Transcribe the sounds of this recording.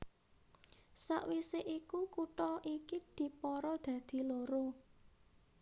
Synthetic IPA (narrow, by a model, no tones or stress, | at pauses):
sa̰ʔwiseʔikukuʈɔʔikid̪̥i̤pɔɾɔd̪̥ä̤d̪̥i̤loɾo